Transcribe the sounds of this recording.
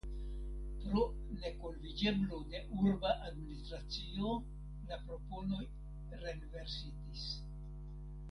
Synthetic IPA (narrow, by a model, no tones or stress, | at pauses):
pɾo̞ | ne̞kolvid͡ʒe̞blode̞ʔuɾbaʔadminist̪ɾat͡sio | lapɾo̞po̞no̞j | ɾe̞nve̞ɾsitis